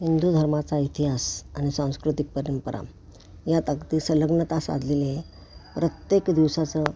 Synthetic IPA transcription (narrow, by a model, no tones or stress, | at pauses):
ɦind̪ud̪ʱəɾmat͡sait̪iɦasañisãw̃skɾut̪ik̚pəɾjəmpəɾʔa̰m | jat̪akt̪isələɡnət̪asa̰d̪ʱlele | pɾət̪jekd̪iʋsat͡sə